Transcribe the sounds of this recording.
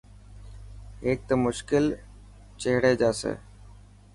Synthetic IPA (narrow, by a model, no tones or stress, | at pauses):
eːk̚t̪omʊʃkɪl | t͡ʃeɦɽeːd͡ʒaːsḛː